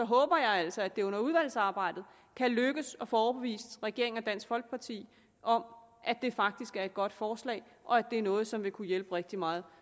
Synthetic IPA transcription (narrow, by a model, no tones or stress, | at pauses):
sɒ̽ɦɔ̽ːb̥ɐjɑ̈ɪæl̰sɒæd̥e̝ɔ̽n̰ɐuðˠʋæl̰sɑ̈ːb̥ɑ̈ɪ̰d̥ð̩ˠ | kʰæløɡ̥əsɒ̽fɒːb̥e̝ʋḭːsd̥ʁɛɡ̥e̝ɐ̰eŋɒ̽d̥æn̰sɡ̥fɒ̽lɡ̥̚pʰɑ̈t͡sʰḭː | ʔɒ̽mʔæd̥e̝fɑ̈ɡ̥̚d̥isɡ̥æɐe̝d̚ɡ̥ɒ̽d̥fɒːslɛ̰ːɪ | ʔɒ̽æd̥e̝æɐnɔ̽ːð̞̩ˠsɒ̽mʋe̝kʰujelb̥əʁeɡ̥̚d̥imɑ̈ːð̞̩ˠ